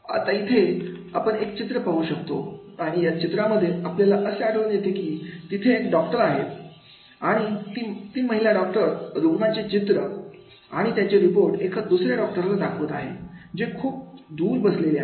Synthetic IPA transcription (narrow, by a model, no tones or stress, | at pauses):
a̰t̪ait̪ʰeapəɳekt͡ɕit̪ɾəpaɦuːɕək̚t̪o̰aɽ̃ijat͡ɕit̪ɾaməd̪ʱːjeapljalaʔəseaɽəːnjet̪ekiːt̪it̪ʰeːkɖɔk̚ʈəɾaɦet̪ | aɽ̃it̪iːt̪iːməɦiljaɖɔk̚ʈəɾːuɡnat͡ɕet͡ɕit̪ɾə | a̰ɽ̃it̪jat͡ɕeɾipoɾʈekʰad̪usɾjaɖɔk̚ʈəɾlad̪akʰʋət̪aɦḛd͡ʑekʰuːp̚d̪ʱuːɾbəslele